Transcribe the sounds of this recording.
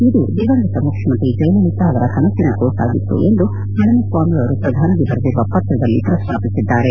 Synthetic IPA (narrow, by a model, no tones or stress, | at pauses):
id̪ud̪iʋɐŋɡɐt̪ɐmukʂimɐnt̪id͡ʒɐjlɐlit̪ɐɐʋɐɾɐkɐnɐt̪ːinukoːsa̰ːɡit̪ːṵend̪u | ɦɐlɐmɐsʋaːmiɐʋɐɾupɾɐd̪ʱaːnɐɡebɐɾɐd̪iɾuʋɐpɐt̪ɾɐd̪ɐlːit̪ɾɐsmaːpisid̪ːaːɾe